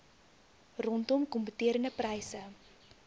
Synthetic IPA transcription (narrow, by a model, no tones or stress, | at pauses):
rɔntɔmkɔmpətiəɾəndəprɐjsə